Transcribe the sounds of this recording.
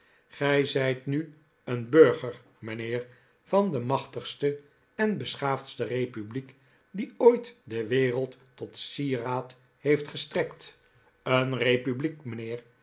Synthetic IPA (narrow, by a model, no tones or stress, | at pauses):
χɛjzɛjtny | ənbøɹχəɹ | mənɪːɹ | vɑndəmɑχtəχstə | ɛnbəsχaːftstərejpyblik | diojtdəʋeːrəlˠtː | ɔtsiraːt | hejftχəstrɛkt | ənrejpyblikmənɪːr